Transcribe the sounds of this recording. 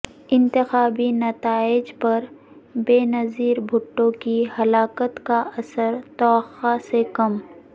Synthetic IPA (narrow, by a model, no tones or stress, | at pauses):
ɪ̃nt̪ɪxaːbinɐt̪aːɪd͡ʒpɐɾ | beːnɐziːɾbʱʊʈːõkihɐlaːkət̪kaɐsəɾt̪ɔːxasekɐm